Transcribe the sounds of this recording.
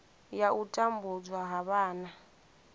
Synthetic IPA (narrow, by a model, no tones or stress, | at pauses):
jautʼambud͡zwaɦaɓaːna